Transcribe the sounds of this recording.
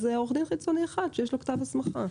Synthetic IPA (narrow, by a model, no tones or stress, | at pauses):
zeoχd̪imχit͡so̞nieχad̪ʃejeʃ̬lokt̪avasmaχa̰